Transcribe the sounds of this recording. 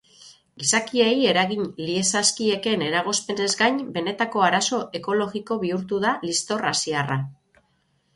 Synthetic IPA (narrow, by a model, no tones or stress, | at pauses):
ɡisakieje̞ɾaɣinlie̞saskie̞ke̞ne̞ɾaɣ̞o̞spe̞ne̞zɡajɲbe̞ne̞t̪ako̞aɾaso̞ʔe̞ko̞lo̞ɣiko̞βiuɾt̪uðalist̪o̞rasiara